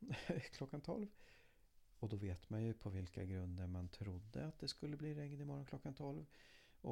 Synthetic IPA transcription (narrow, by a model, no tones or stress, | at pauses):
kʰlɔkːant̪ʰɔ̰lv | ɔd̪ɔveːt̪manjɵpʰɔvɪlkaɡɾɵnd̪əɾmant̪ʰɾʊd̪ːə̰at̪̚d̪ɛskɵlːəbliːɾɛŋd̪ɪmɔɾɔnkʰlɔkːant̪ʰɔlv | ɔ